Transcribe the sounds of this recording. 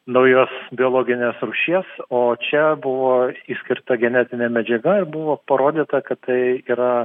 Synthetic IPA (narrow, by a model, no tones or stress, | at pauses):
nɐʊjoːsbʲɪoːlˠoːɡʲɪnʲeːsɾuːʃʲiɛsoːt͡ʃʲɛbʊʋoːiːsʲkʲɪɾt̪ɐɡʲɛnʲɛt̪ʲɪnʲeːmʲɛd͡ʒʲɛɡɐɪɾbʊʋoːpɐɾoːd̪ʲiːt̪ɐkɐt̪t̪ɐɪiːɾɐ